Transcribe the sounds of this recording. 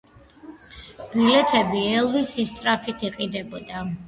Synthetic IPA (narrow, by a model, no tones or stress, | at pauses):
b̥ilɛt̪ʰɛbiɛlˠvisist̪ʼɾapʰit̪ʰiqʼid̪ɛbɔd̪a